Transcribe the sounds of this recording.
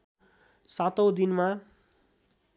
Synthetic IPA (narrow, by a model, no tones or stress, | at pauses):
sat̪owd̪inma